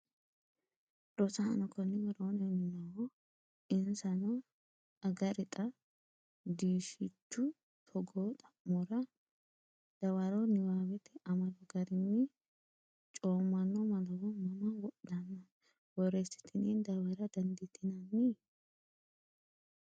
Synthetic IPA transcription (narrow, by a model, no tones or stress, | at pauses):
ɾɔsanɔkɔnːɪwɐɾonɛnɪnɐwɔ | ɪnsɐnɔ | ɐɡɐɾɪt̪ʼɐ | d̪iːʃɪt͡ʃːʊ | t̪ʰɔɡoːt̪ʼɐʔmɔɾɐ | d̪̥ɐwaɾɔnɪwaːwɛt̪ɛɐmɐd̪ɔɡɐɾɪnːɪ | t͡ʃʼoːmːɐnːɔmɐlɐwɔmɐmɐwɔɗɐnːɐ | wɔɾɛsɪ̥t̪ʰɪnind̪ɐwɐɾɐd̪ɐnd̪ɪt̪ʰɪnɐnːi